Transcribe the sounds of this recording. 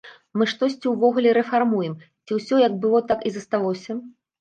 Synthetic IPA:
mɨʂt̪ɔsʲt͡sʲiwvɔɣulʲɛɾɛfarmujɛm | t͡sʲiwsʲɔjɐɡ̚bɨlˠɔt̪akizɐst̪alˠɔsʲɐ

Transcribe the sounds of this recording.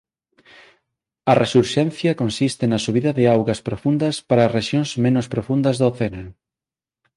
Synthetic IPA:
ɐresuɾʃɛnθjɐkonsist̪ɪnɐsuβ̞iðɐðeawɣɐspɾofund̪ɐspaɾɐːzreʃjonsmẽnʊspɾofund̪ɐzðoθena

